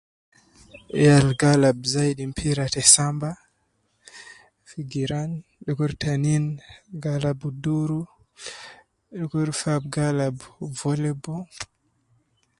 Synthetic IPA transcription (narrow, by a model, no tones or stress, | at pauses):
alɡalabzajɗimpʰiɾatɛsamba | fiɡiɾanɗɔkuɾtʰaninɡalabuduɾu | ɗɔkuɾfabɡalabvɔlɛbɔ